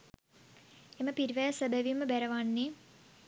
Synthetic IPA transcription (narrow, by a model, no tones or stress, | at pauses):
eməpiɾiʋæjsəbəʋimːəbæɾɐʋanːe